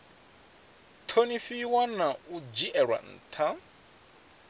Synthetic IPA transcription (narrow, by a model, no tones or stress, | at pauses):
tʰonifiwanaud͡ʒiʔɛɺwa̰n̩ːtʰa